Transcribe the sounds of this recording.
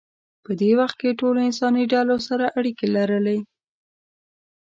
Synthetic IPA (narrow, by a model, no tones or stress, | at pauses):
pəd̪ewaxt̪̚keʈoloɪnsɑniɖalosaɾaʔaɽikelaɾəle